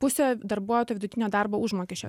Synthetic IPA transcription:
pʊsʲeːd̪ɐɾbuɔjt̪oːjoʋʲɪd̪ʊt̪ʲɪnʲoːd̪ɑrboːʊʒmoːkʲɛʃʲo̰

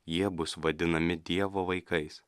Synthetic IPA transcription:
jiɛbʊsʋɐd̪ʲɪnɐmʲɪd̪ʲiɛʋoːʋɐɪkɐɪs

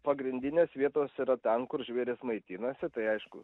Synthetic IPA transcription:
pɐɡɾʲɪnʲd̪ʲɪnʲeːsʋʲiɛt̪oːsiːɾɐt̪ʲɛnkʊrʒʲʋʲeːɾʲɪsmɐɪt̪ʲiːnɐsʲɪt̪ɐɪɐɪʃkʊ

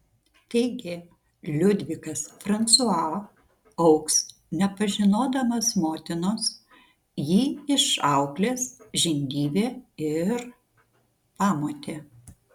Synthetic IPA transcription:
t̪ɛɪɡʲɪ | lʲʊd̪ʲʋʲɪkɐsfɾɐnt̪suɑ | ɐʊks | nʲɛpɐʒʲɪnoːd̪ɐmɐsmoːt̪ʲɪnoːs | jiːɪʃɑʊklʲeːsʒʲɪnʲɡ̪ʲiːbʲeːɪɾ | pɑːmoːt̪ʲeː

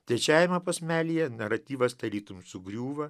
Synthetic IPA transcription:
t̪ʲɛt͡ʃʲæːjʲɪmɐpɐsʲmʲæːlʲiːjɛnɐɾɐt̪ʲiːʋɐst̪ɐɾʲlʲiːt̪ʊmsʊɡɾʲuːʋɐ

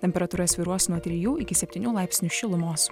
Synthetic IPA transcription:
t̪ʲɛmʲpʲɛɾɐt̪uːɾɐsʲʋʲɪɾuɔsnuɔt̪ʲɾʲɪjuːɪkʲɪsʲɛpʲt̪ʲɪːnʲuːlˠɑˑɪpʲsʲnʲuʃʲɪlˠʊmoːs

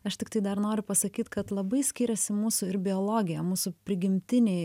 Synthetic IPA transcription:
ɐʃt̪ʲɪkt̪ɐɪd̪ɐɾnoːɾʲʊpɐsɐkʲiːt̪kɐt̪lˠɐbɐɪsʲkʲiɾʲɛsʲɪmuːsʊɪɾbʲɪolˠoːɡʲɪjɛmuːsʊpʲɾʲɪɡʲɪmʲt̪ʲɪnʲɛɪ

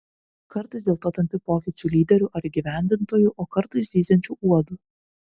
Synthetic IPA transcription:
kɐɾt̪ɐɪsd̪ʲeːlˠt̪oːt̪ɐmʲpʲɪpoːkʲɪt͡ʃʲʊːlʲiːd̪ʲɛɾʲʊʔɐɾiɡʲiʋʲæˑnʲd̪ʲɪnt̪oːjuˑʔoːkɐɾt̪ɐɪsʲiːsʲɛnʲt͡ʃʲuːʔuɔd̪uː

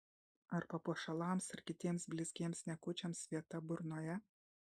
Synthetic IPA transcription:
ɐɾpɐpuɔʃɐlˠɑːmsɪɾkʲɪt̪ʲiɛmsbʲlʲɪsʲɡʲiɛmsnʲɛkʊt͡ʃʲɛmsʋʲiɛt̪ɐbʊɾnoːjɛ

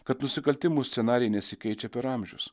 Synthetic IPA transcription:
kɐt̪nʊsʲɪkɐlʲt̪ʲɪmuːsʲsʲɛnɑːɾʲɛjnʲɛsʲɪkʲɛɪt͡ʃʲɛpʲɛɾɑmʲʒʲɛʊs

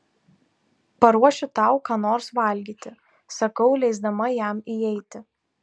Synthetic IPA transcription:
pɐɾuɔʃʲʊt̪ɑˑʊkɑːnoːɾsʋɐˑlʲɡʲiːt̪ʲɪ | sɐkɐʊlʲɛɪzd̪ɐmɐjæˑmiɛɪt̪ʲɪ

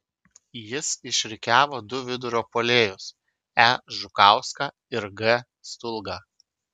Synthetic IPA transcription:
jɪsɪʃʲɾʲɪkʲæːʋoːd̪ʊʋʲɪd̪ʊɾʲoːpoːlʲeːjʊs | æʒʊkɑˑʊskɑ | ɪɾɡɛ | st̪ʊlˠɡɑː

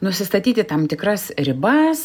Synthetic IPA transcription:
nʊsʲɪst̪ɐt̪ʲiːt̪ʲɪt̪ɐmt̪ʲɪkɾɐsɾʲɪbɐs

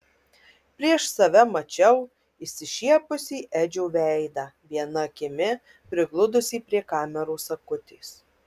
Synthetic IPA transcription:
pʲɾʲiɛʃsɐʋʲɛmɐt͡ʃʲɛʊ | ɪsʲɪʃʲiɛpʊsʲiːʔæd͡ʒʲuːʋʲɛɪd̪ɑʋʲiɛnɐkʲɪmʲɪ | pʲɾʲɪɡlˠʊd̪ʊsʲiːpʲɾʲiɛkɑːmʲɛɾuːsɐkʊt̪ʲeːs

